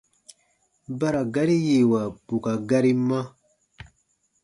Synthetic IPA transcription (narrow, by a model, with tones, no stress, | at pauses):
ba˦ɾa˨ɡa˦ɾi˦je˨wa˨b̥u˨ka˨ɡa˦ɾi˦ma˦